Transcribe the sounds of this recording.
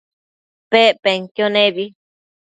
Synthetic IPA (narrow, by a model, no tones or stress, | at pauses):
peʔpeŋkjonẽbi